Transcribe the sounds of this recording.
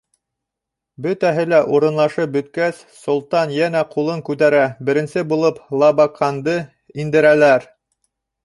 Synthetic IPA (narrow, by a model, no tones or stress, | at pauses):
bɵt̪æɦɘlæʔuɾɤ̆nlˠɑʃɤp̚bɵ̆t̪̚kæs | sŏlˠt̪ɑnjænæqʰulˠɤŋkʉt̪æɾæbɘ̆ɾɘ̆nsɘbulˠɤplˠɑβɑqʰɑnd̪ɤ | ind̪ɘ̆ɾælæɾ